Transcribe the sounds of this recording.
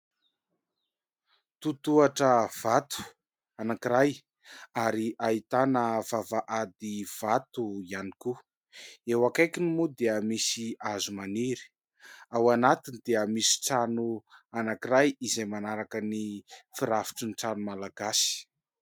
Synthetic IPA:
t̪ut̪uaʈ͡ʂəv̥at̪u̥ | anakiɾaj | aɾiʔait̪anəvavaʔad̪iv̥at̪uianiku | ewakajkinimud̪eəmisiazumaniɾi̥ | awanat̪inid̪eəmisi̥ʈ͡ʂanuanakiɾajizejmanaɾakənifiɾafi̥ʈ͡ʂiniʈ͡ʂanumalaɡasi̥

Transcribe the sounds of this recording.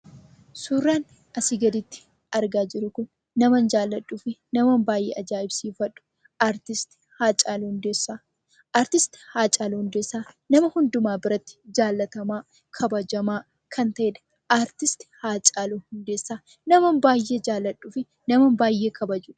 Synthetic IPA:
suːrːaːn | ʔɐsɪɡɐd̪ɪt̪ːɪ̥ | ɐɾɡaːd͡ʒɪɾʊkʊnː | ɐmɐnd͡ʒaːlːɐᶑːuːfɪnɐmɐnbaːjʔḛːʔɐd͡ʒaːɪbsiːfɐᶑːʊ̥ | aːɾt̪ɪst̪ɪ̥haːt͡ʃʼaːlːhʊnd̪eːsːaː | ʔaːɾt̪ɪst̪ɪ̥haːt͡ʃʼaːluhʊnd̪eːsːaː | nɐmɐhʊnd̪ʊmaːbɪɾɐt̪ːɪ̥d͡ʒaːlːɐt̪ɐmaː | kʰɐbɐd͡ʒɐmaː | kʰɐnt̪ɐʔeːᶑ̪ɐ̥ | ʔaːɾt̪ɪst̪ɪ̥haːt͡ʃʼaːluːhʊnd̪eːsːaː | nɐmɐmbaːjːe̞ːd͡ʒaːlːɐᶑːuːfɪ | nɐmɐmbaːjːe̞ːkɐbɐd͡ʒuːᶑɐ̥

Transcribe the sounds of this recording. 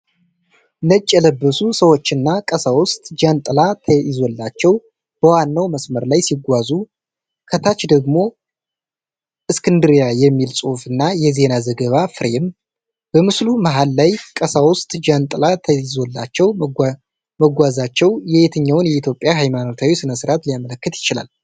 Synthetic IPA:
nət͡ʃʼːɛləbːəsusəwo̞t͡ʃːɨnːakʼəsawʊst̪ʼd͡ʒant̪ʼɨlat̪ʰəɪzo̞lːat͡ʃːɛw | b̥əwanːawməsməɾlajsiɡʷazu | kʰət̪ʰat͡ʃd̪əɡmo̞ | ʔɨskʰɨnd̪ɨɾjajɛmːilsʼuhfɨnːajɛze̞nazəɡəβafɨɾem | b̥əmɨsluməɦalːajkʼəsawʊst̪ʼd͡ʒant̪ʼɨlat̪ʰəizo̞lːat͡ʃːɛw | məɡʷazat͡ʃːɛwjɛet̪ʰəɲːawʊnjɛit̪ʰjo̞pʼːjaɦajmano̞t̪ʰawisɨnəsɨɾat̪lijamələkːət̪jɪt͡ʃɪla̰l

